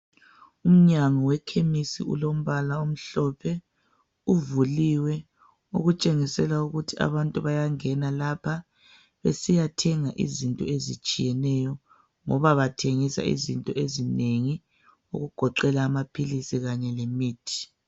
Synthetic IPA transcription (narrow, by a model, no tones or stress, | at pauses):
um̩ɲaŋɔwɛkʰemisḭṵlom̩βalaom̩ɬɔpʰɛ | uvuliwɛ | ṵɣut͡ʃʼeŋisɛlauɣutʰia̰βantʼuβajaŋɛnalapʰa | βesijatʰɛŋaʔḭzintʼɔezit͡ʃʼijɛnɛjɔ | ŋɔβaβatʰeŋisa̰ḭzintʼɔezineŋi | ṵɣuɡ̥ʱɔǃɛlaːmapʰilisiɣaɲɛlemiːtʰi̥